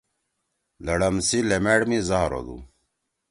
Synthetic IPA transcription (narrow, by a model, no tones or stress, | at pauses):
lɐɽɐmsilemeːɽmizaɦɾo̰d̪ṵ